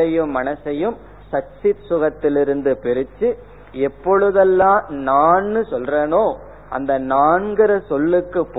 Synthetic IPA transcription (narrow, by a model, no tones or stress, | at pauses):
ɐjɯmːɐnɐsɐjɯm | sɐsɪt̪sʊɣɐt̪ːɪlɪɾɯnd̪ɯpɛɾɯt͡ʃːɯ | ɛpːɔɻɯðɐlːãːnaːnːɯsɔlreːnoː | ʔɐ̰nd̪ɐnaːnɡɪɾɐsɔlːɯkːɯpː